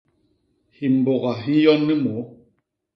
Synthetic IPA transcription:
hi˨m̩˨bo˨ɣa˨ɦi˦jɔ˦nːi˦mo˨˦

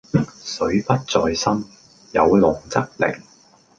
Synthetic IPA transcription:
sɵ˨˥ɥpɐ˥t̚t͡sɔː˧jsɐ˥m | jɐ˨˧wlʊ˨˩ŋt͡sɐ˥k̚lɪ̰˨˩ŋ

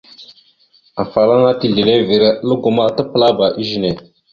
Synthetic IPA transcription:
a˨fa˨la˦ŋa˦ti˨ɮe˨le˦vi˨ɾlə˦ɡo˨ma˦tə˦pə˦la˦ba˨ʔi˦ʒi˦˨ne˨

